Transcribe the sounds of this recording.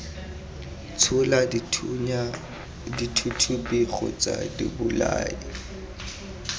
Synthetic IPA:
t͡sʰʊla | ditʰutʰupʼiɣɔ̰t͡sʼadibʊlaːi

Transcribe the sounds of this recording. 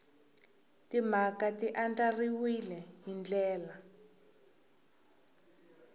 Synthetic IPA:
timakatiʔand͡ɮariwilɛɦind͡ɮɛːla

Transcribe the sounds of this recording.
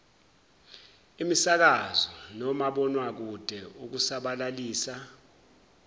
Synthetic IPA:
imisak̬azɔnɔmaɓɔnwak̬ud̥ʱɛuk̬usaɓalaliːsa

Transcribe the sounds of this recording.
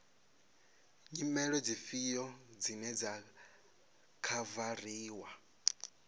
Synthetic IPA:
ɲimɛɺɔd͡zifijɔd͡zinɛd͡za | kʰavariːwa

